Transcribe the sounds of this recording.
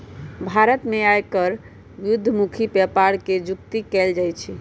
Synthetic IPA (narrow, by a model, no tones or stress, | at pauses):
bʱaɾət̪meajkəɾ | ʋjud̪ʱːəmukʰipɛpaɾked͡ʒuk̚t̪ikɛld͡ʒajt͡ʃʰi